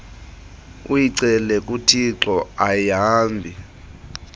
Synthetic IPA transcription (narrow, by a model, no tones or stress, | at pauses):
ujiǀɛlɛk̬ʼutʰiǁɔajaːmbʱi